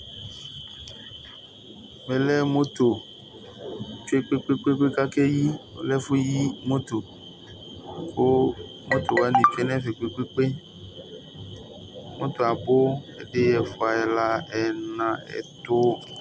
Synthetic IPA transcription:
mẽ˨lɛ˦mõ˦t̪o˨ | t͡ʃo˦e˦k͡pe˦k͡pe˦k͡pe˦k͡pe˦ka˦ke˦ji˦o̰˦lɛ˦fu˦ji˦mo˦t̪o˨ | ko˦ | mõ˦t̪o˨va˦nĩ˨t͡ʃo˦e˦nɛ̃˦ve˨k͡pe˦k͡pe˦k͡pe˦ | mõ˦t̪o˨a˨bo˦ḛ˦ɖe˦jɛ˨fo˨˦a˨ɛ˨la˦ɛ˨nã˨ɛ̰˨t̪o˦

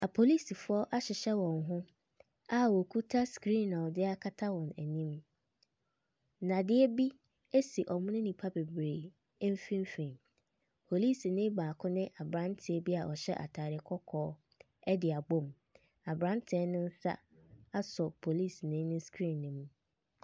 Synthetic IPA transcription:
a˨pʰo˨li˦˨si˨fʊ˦ɔ˦ʔa˦ɕɪ˨ɕɛ˦wɔ̃˨ŋɦʊ̃˦ | a˦˨wɔ˨kʰu˦tʰa˦skɾĩ˦nã˨dɪ˦a˦kʰa˦tʰa˦wɔ̃˨næ˨nĩ˦m˦ | nã˨dɪ˦ɛ˦bi˦ | e˦si˨ʔɔ˨mʊ̃˦nɪ̃˦nĩ˨pʰa˦be˨bɾe˨˦ | m̩˦fĩ˦m˦fĩ˨m | pʰo˨li˦si˨nɪ̃˦baː˨kʰʊ̃˦nɪ̃˦ʔa˨bɾã˦ntʰɪ˨ɛ˦bi˦a˨ʔɔ˨ɕɛ̰˦ʔa̰˨tʰaː˨ɾɪ˨˦kʰɔ˦kʰɔː˦ | ɛ˦dɪ˨a˨ɡ͡bõ˦m | a˨bɾã˦ntʰɪ˨ɛ˦nɪ̃˦n̩˦sa̰˦ | a˦sɔ˨pʰo˨li˦˨snɪ̃˦nʊ̃˦skɾĩ˦˨nːɪ̃˨mũ˦

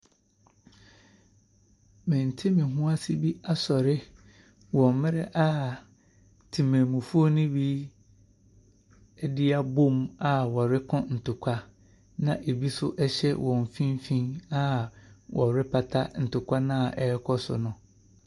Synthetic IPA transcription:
mɪ̃˨n̩˨tʰɪ˦mɪ̃˨ɦũ˦a˦sɪ˦bi˦a˦sɔ˨ɾɪ˦ | wɔ̃˨mmɪ̃˦ɾɛ˦ʔa˦ | tʰĩ˨mẽ˨mũ˨fu˦o˦nʊ̃˦bi˦ | ɛ˦dɪ˦a˦bo˦ma˦˨wɔ˨ɾɪ˦kʰɔ̃˦n̩˨tʰʊ˨kʷʰa˦ | nã˦ʔe˨bi˦sʊ̰˦ʔɛ˦ɕɛ˦wʔɔ̃˨ɱ˨fĩ˦m˦fĩ˦na˦˨wʔɔ˨ɾɪ˦pʰa˨tʰa̰˦n̩˨tʰʊ˨kʰʷa˦nã˦˨ʔɛ˦˨˦kʰɔ˦sʊ̰˨nʊ̃˨

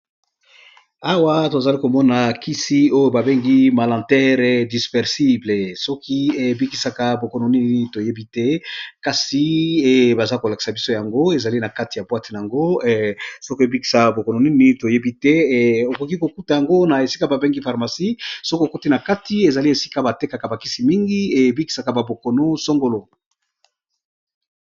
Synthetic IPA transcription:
a˨wa˦to˨za˨li˦ko˨mɔ˦na˨ki˦si˦o˦jo˦ba˨be˦ŋɡi˦ma˨lã˨tɛ˦ʁɛ˨di˨spɛ˨ʁsi˦ble˨sɔ˦kʰi˦e˨bi˦ki˨sa˦ka˦bo˨ko˨no˨ni˦n˨ni˨˦to˨je˦bi˦tɛ˦ka˨si˦e˦ba˨za˦ko˨la˨ki̥˨sa˨bi˦so˦ja˨ŋɡo˦e˨za˨li˦na˨ka˦ti˨ja˨bwa˦te˨na˨a˨ŋɡo˦ | so˦ki˦e˨bi˦ki̥˨sa˨bo˨ko˨no˨ni˦ni˨˦ni˦to˨je˦bi˦tɛ˦o˨ko˨ki˦ko˨ku˦ta˨ja˨ŋɡo˦na˨e˨si˦ka˦ba˨be˦ŋɡi˦fa˨ʁma˨si˦so˦ki˦o˨ko˦ti˦na˨ka˦ti˦e˨za˨li˦e˨si̥˦ka˦ba˨te˦ka˨ka˨ba˨ki˦si˨mi˦ŋɡi˦e˨bi˦ki̥˨sa˨ka˨ba˨bo˨ko˨no˦so˦ŋɡo˦lo˦

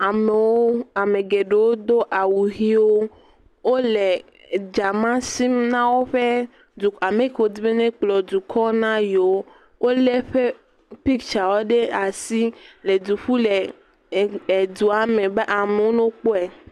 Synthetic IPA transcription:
a˨me˨wo˦a˨me˨ɡe˨ɖe˨wo˦d̪o˦ʔa˨wu˨ɦi˦wo˦ | wo˦le˨ | d͡ʒa˨mã˦si˦mnã˦wo˦ɸe˦ | du˨a˨me˨ke˨wo˦d̪i˦be˦nẽ˦k͡plɔ˨d̪u˨kʰɔ˦nã˦jo˦ | wo˦le˦ɸe˦ | pi˦kt͡ʃa˨wo˦ɖe˦a˨si˦le˨d̪u˨ɸu˦le˨ | e˨d̪u˨a˨mẽ˨be˦ʔa˨me˨wo˦nõ˦k͡po˦ɛ˨

